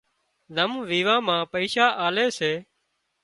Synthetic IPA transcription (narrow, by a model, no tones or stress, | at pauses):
d̪əmʋiːʋãːmãːpəiːʃaːʔaːleːseː